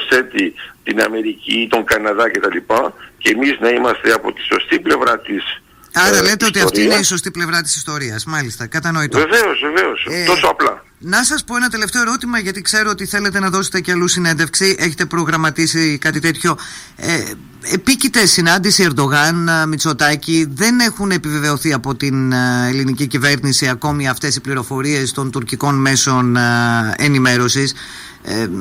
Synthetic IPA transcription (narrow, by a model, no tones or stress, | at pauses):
se̞t̪it̪inɐ̰me̞ɾicit̪o̞ŋɡɐnɐðɐcet̪ɐlipɐcemiznɐimɐst̪eɐpo̞t̪i̥so̞st̪iple̞vɾɐt̪is | ɐɾɐle̞t̪eo̞t̪iɐftɾiineiso̞st̪iple̞vɾɐt̪i̥si̥st̪o̞ɾiɐsmɐlist̪ɐkɐt̪ɐno̞it̪veve̞o̞zveveost̪osoɐplɐ | nɐsɐspo̞e̞nɐt̪e̞left̪e̞oeɾo̞t̪imɐʝɐt̪ikse̞ɾoot̪iθe̞le̞t̪e̞nɐðo̞set̪eceɐlusine̞nd̪efksiʔe̞çe̥t̪e̞pɾo̞ɣɾɐmɐt̪isikɐt̪it̪e̞t̪ço̞ | epicit̪e̞sinɐnd̪isie̞ɾd̪o̞ɣɐnmit͡so̞t̪ɐciðe̞ne̞xune̞pive̞ve̞o̞θiɐpo̞t̪inelinicicive̞ɾnisiɐko̞miɐft̪e̞sipliɾo̞fo̞ɾie̞st̪o̞nt̪uɾciko̞nme̞so̞n | e̞nime̞ɾo̞sis